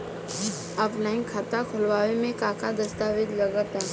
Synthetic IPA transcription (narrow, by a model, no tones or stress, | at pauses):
ɔːpʰlaːɪnkʰaːt̪akʰʊlʋaːʋemẽkaːkad̪ɐst̪aːʋɪd̪lɐɡət̪ɛː